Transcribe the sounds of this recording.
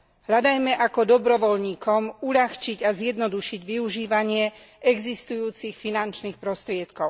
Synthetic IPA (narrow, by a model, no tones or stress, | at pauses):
ɦʎad̪ajmɛʔakɔd̪ɔbɾɔʋɔʎɲiːkɔmuʎaxt͡ʃiɟazjɛd̪nɔd̪uʃiɟʋiuʒiːʋaɲɪɛ | ɛɡzist̪ujuːt͡sixfinant͡ʃniːxpɾɔst̪ɾɪɛt̪kɔʊ